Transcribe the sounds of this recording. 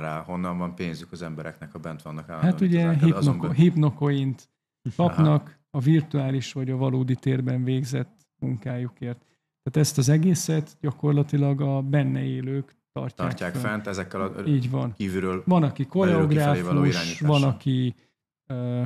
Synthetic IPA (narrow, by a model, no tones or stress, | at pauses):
ɾa̰ːho̞nːɒɱvɒmpeːnzykɒzɛmbɛɾɛ̰knɛkɒbɛnt̪ʋɒnːɒka̰ːlhat̪uɟɛɦinokɦipno̞ko̞int̪ | kɒpnɒk | ɒvirt̪uaːliʃʋɒɟɒvɒloːd̪it̪eːrbɛɱveːɡzɛt̪ː | muŋkaːjukeːrt̪ː | aːt̪ɛst̪ɒzɛɡeːsɛt̪ɟɒko̞rlɒt̪ilɒɡɒbɛnːɛeːløːk | t̪ɒ̰rcaɾːkaːkffɛnt̪ɛzɛkːɛliːɟvɒnkiːvyɾøːlvɒnɒkiko̞lɛoɡraːfuʃaːɲivɒnɒki | øː